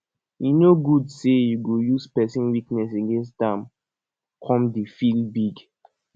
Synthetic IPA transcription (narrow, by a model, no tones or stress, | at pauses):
jinoɡudsejuɡojuspɛsĩnwiknɛs̬eɡɛ̃ns̬dãm | kʰɔ̃mdefilbiɡ